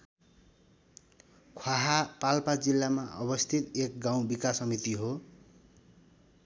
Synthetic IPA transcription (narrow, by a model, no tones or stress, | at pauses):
kʰwaɦapalpad͡zilːamaʔʌ̰bʌst̪ʰit̪ek̚ɡaw̃bikasʌmit̪iɦo